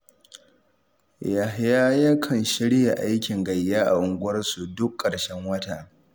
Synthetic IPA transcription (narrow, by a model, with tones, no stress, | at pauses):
ja˨jaː˦jɐ˦kʰɐ˨nʃɪ˦ɽja˨ʔa˦jkʲɪ˨ŋɡɐ˨jːaː˦ʔa̰˨ʔʊ˨ŋɡʷʊ˦ɐ˦rsu˨dʊ˦kʼːɐ˨ɽʃɛ˦ŋwɐ˦taː˨